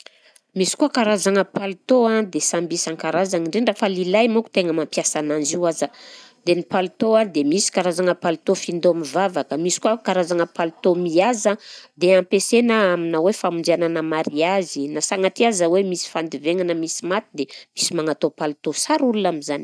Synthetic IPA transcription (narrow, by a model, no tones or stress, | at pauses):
misi̥kuakaɾazaŋəpalut̪oãd̪esambisaŋkaɾazaniɳɖ͡ʐenɖ͡ʐafəlilajmoku̥t̪eŋəmampiasananziwazəd̪enipalut̪oad̪emisi̥kaɾazaŋəpalut̪ofind̪omivavakəmisi̥kuakaɾazaŋəpalut̪omiazəd̪eampesenaaminawefamund͡ʒiananəmaɾiazinasaŋat̪iazəwemisi̥fand̪iveŋanəmisimat̪id̪emisimanat̪opalt̪osaɾulunaminzani̥